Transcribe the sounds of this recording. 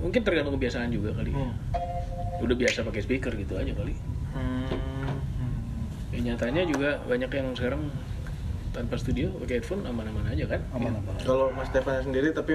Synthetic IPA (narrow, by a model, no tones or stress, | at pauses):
muŋkɪnt̪ərɡanʊŋkəbiasaːnd͡ʒuɡakalḭ | udahbiasapakesbekərɡit̪uad͡ʒakali | aɲat̪aɲad͡ʒuɡabaɲakjaŋskaɾaŋ | t̪anpasə̥t̪udiopakeat̪fʊnamanamanad͡ʒakankalomast̪epanɲas̬əndiɾit̪api